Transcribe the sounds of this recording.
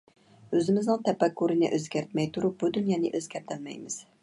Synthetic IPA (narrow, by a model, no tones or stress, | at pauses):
øzɪmɪznɪŋt̪ʰɛpɛkːuɾɨnɪ̰ʔøzɡʲæɾt̪mɛjt̪ʰuɾup̚bud̪unjɑːnɪ̰ʔøzɡʲɛɾt̪ʰɪlmɛ̰jmɪz̥